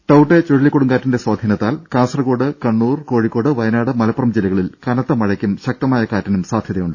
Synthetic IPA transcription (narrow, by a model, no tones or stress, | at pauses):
ʈɐwʈːet͡ɕoɻilːikːoɽuŋɡaːtːinde̞swaːd̪ʱiːnɐt̪ːaːlkaːnsɐrɐko̞ːɽɨkɐɳːuːrko̞ːɻikːo̞ːɽɨʋɐjɐnaːɽɨmɐlɐpːɐrɐmd͡ʑilɐɣɐɭilkɐnɐt̪ːɐmɐɻɐkʲːumɕɐk̚t̪ɐmaːjɐkaːtːɐnumsaːd̪ʱjɐðɐjuɳɖɨ